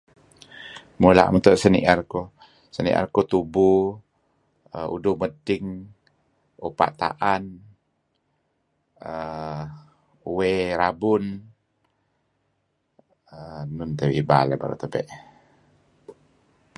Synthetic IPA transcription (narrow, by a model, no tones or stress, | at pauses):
mula̰ʔmənt̪ʊʔsənḭʔarko | sənḭʔa̰rkot̪ubu | əṵdʊmədɪŋ | upa̰ʔt̪a̰ʔan | ə | uweɾabʊn | ənunt̪əwiba̰ləba̰ɾo̰t̪əbɛ̰ʔ